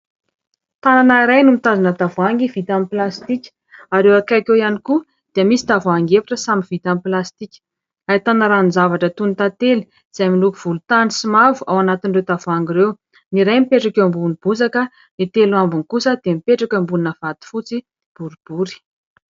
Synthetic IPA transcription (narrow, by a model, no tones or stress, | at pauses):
t̪ananaiɾajnumit̪azanət̪avuaŋɡivit̪amiplast̪ikʲ | aɾewakakejaniku | d̪̥eəmisi̥t̪avuaŋɡefi̥ʈ͡ʂəsamivit̪amiplast̪ikʲə̥ | ait̪anaɾanzavaʈ͡ʂət̪unit̪at̪eli̥ | z̥ajmilukuv̥ulut̪anisimavuawanat̪inrewt̪avaŋɡiɾew | niɾajmipeʈ͡ʂakʲambunib̥uzakə | nit̪eluambunikusəd̪emipeʈ͡ʂakʲəmbulinəv̥at̪i̥fut͡si | b̥uɾib̥uɾi̥